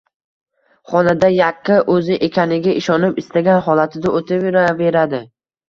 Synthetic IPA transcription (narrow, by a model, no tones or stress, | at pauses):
χɒnad̪ajaqːɨʔɵzɪʔekʲanɪɡʲaʔɪʃɒnɪpɪst̪aɡʲanχɒlat̪ʰɪd̪aʔot̪ʰaveɾave̞ɾad̪ɪ